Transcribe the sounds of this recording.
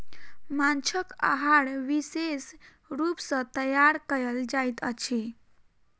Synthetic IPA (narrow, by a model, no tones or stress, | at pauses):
mant͡ʃʰəka̰ɦaɽʋises | ɾupsə̃t̪əjaɾkəjəld͡ʒajt̪ə̰t͡ʃʰe